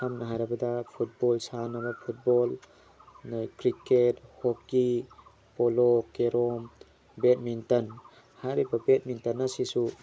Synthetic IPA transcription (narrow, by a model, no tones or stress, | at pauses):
samnaɦajɾabɐdapʰut̚bɔlsanabapʰut̚bɔl | nakɾikethɔp̚ki | pɔlɔkeɾɔm | bet̚mintɐn | hajɾibɐbet̚mintɐnːasisu